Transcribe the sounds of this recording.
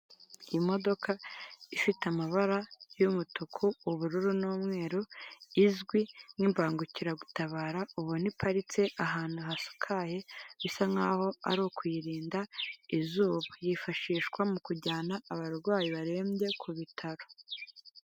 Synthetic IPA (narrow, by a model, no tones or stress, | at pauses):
jimo̞do̞kʰaifiteamaβaɾajumutukʰuːβuɾuɾunoːmŋe̞ːɾoizɡwinimbaːŋɡuciɾaɡutaβaːɾauβonipʰaɾit͡se̞ʔaɦaːn̥huɦasu̥kʰaje̞βisaŋaːho̞a̰ɾoːkwiɾiːndaizuːβajifaʃiːʃkwamukuɟaːnaːβaɡwaːjiβaɾe̞ːmɟe̞kʰuβitʰaɾo̥